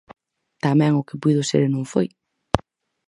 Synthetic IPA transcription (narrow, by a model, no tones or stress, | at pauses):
t̪amɛ̃ŋʊkɪpuðʊsḛɾnõŋfo̰j